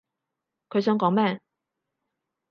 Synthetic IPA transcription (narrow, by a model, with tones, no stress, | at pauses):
kʰe˥sɑ˥ŋkɑ˨˥ŋma˥˨n